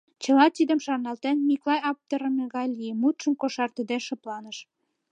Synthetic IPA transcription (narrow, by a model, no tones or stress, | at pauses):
t͡ɕə̆lɑt̪id̪ə̆mʃɑrnɑlt̪enmiklɑjɑp̚t̪əɾə̆meɣɑjlʲijemut̪ʃəmkoʃɑrt̪ə̆d̪eʃɤ̆plɑnəʃ